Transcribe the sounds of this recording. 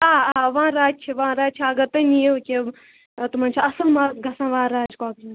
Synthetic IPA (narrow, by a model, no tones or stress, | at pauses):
aːaːʋãːɾaːd͡ʒ̚t͡ʃʰiʋãːɾaːd͡ʒt͡ʃʰiaːɡɐt̪ɐnijeukʲe | t̪umãːnʲt͡ʃʰaɐsəlmaːɡʱɐsãːʋãːɾaːd͡ʒkaːkː